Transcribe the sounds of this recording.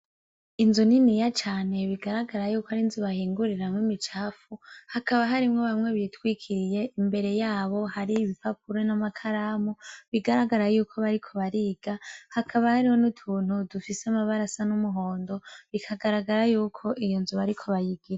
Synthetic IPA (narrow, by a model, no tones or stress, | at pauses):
inzuninijat͡ʃaːne̞βiɡaɾaɡaɾajuːkohaɾinzuβahiːŋɡuɾiɾamŋwimit͡ʃaːfuhakʰaβaɦaɾimŋoβamŋe̞βitwikʰiɾije̞ʔimbe̞ɾe̞jaːβo̞haɾiβifap̚ʰuɾenamakʰaɾaːmuβiɡaɾaɡaɾajuːkʰo̞βaɾikʰo̞βaɾiːɡ̥ahakʰaβahaɾiwo̞nutʰuːn̥hudufiseamaβaɾasanumuɦo̞ːndo̞βikʰaɡaɾaɡaɾajuːkʰo̞ʔijo̞nzuβaɾikʰo̞βajiɡiɾa